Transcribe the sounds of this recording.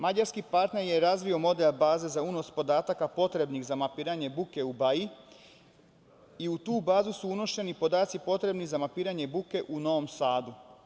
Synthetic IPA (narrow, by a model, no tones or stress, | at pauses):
mad͡ʑaɾskipaɾt̪ne̞ɾje̞ɾazʋio̞mo̞d̪elbaːze̞zauno̞spo̞d̪aːt̪akapo̞t̪ɾe̞bniɣzamapiːɾaɲe̞buke̞ubai | iut̪uːbaːzusuuno̞ʃe̞nipo̞d̪aːt̪sipo̞t̪ɾe̞bnizamapiːɾaɲe̞buke̞ʔuno̞ʋo̞msaːd̪u